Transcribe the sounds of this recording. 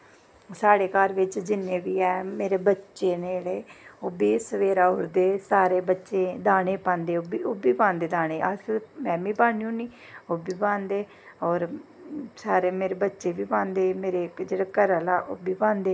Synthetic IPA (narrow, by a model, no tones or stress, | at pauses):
saːɽeːkaːɾʋɪt͡ʃd͡ʒɪnːẽːʋiːɛːmeːɾeːbətːʃeːneːleːoːbiːsəʋeːɾaːɦʊɾd̪eːsaːɾeːbətːʃẽːd̪aːneːpãːnd̪eːobiːoːbiːpãːnd̪eːd̪aːñeːʔəsmɛ̃ːbiːbãːnjũːniː | oːbiːbãːnd̪eː | ɔːɾ | saːɾeːmeːɾeːbətːʃeːbiːpãːnd̪eːmeːɾeːd͡ʒeːɽaːkəɾəlaːʔoːbʱiːpãːnd̪eː